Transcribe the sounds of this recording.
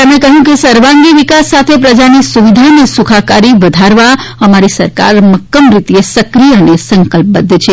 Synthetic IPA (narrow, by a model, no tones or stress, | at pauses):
əmẽkəɦjũkesəɾʋãŋɡiʋikasːat̪ʰepɾəd͡ʒanisuʋid̪ʱanesukʰakaɾiʋəd̪ʱaɾʋaəmaɾisəɾka̰ɾməkːəmɾit̪iesəkɾijəənesə̃ŋkəlp̚bəd̪ʱːət͡ʃʰe